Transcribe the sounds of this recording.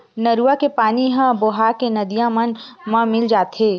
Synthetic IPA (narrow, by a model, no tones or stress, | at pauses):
nɐɾuakepaːniɦɐ̃boɦaːkenɐd̪ijãmənmɐ̃mɪld͡ʒaːt̪eː